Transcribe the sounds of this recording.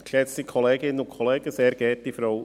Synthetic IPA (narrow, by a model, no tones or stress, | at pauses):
kʃɛt͡sikʰɔleːɡɪnənʊkʰɔleːɡ̥əseːɾɡ̥ɛːtdifɾɔw